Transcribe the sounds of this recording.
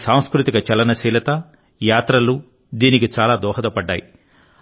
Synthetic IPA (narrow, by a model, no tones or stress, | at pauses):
saːw̃skɾut̪ikɐt͡ʃɛlɐnɐsiːlɐt̪ɐ | jaːt̪ɾɐlu | d̪iːnikit͡ʃaːlaːd̪ɔːɦɐd̪ɐpɐɖːa̰ːji